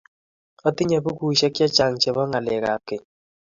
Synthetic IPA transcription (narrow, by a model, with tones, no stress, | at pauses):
ɔ˦t̪ɪ˦ɲa˨bu˦ku˨ʃɛ˦kja˦t͡ʃa˨ŋt͡ʃɛ˨bɔ˦ŋa˨lɛ˨ka˨kɪ˨